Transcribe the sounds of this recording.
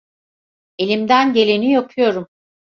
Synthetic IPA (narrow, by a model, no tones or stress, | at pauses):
e̞lʲimd̪ænɟe̞lʲenijapʰɯjo̞ɾum